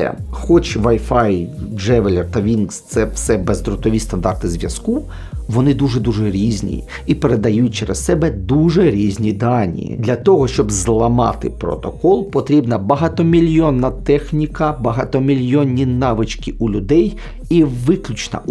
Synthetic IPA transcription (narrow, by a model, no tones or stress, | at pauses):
ɛ̰xɔt͡ʃʋɐjfɑjd͡ʒɛʋelʲert̪ɐʋʲinkst̪sɛwsɛbɛzd̪ɾɔt̪ɔʋʲist̪ɐnd̪ɑrt̪ɪzʲʋʲjɐsku | ʋɔnɪd̪uʐɛd̪uʐɛɾʲizʲnʲḭ | ipeɾed̪ɐjut̚ʲt͡ʃɛɾessɛbɛd̪uʒɛɾʲizʲnʲid̪ɑnʲḭd̪lʲɐt̪ɔɦɔʃt͡ʃɔbzlˠɐmɑ̰t̪ɪ̰pɾɔ̰t̪ɔkɔlˠpɔt̪ɾʲibnɐbɐɦɑt̪ɔmʲilʲjɔnːɐt̪ɛxnʲikɐbɐɦɑt̪ɔmʲilʲjɔnʲːinɑʋɪt͡ʃkʲɪʔulʲʊd̪ɛj | iʋɪklʲʊt͡ʃnɐ̰